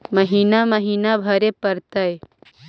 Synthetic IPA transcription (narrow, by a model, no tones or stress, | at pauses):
məɦiːnaməɦiːnabʱɐɾepəɾt̪ɐj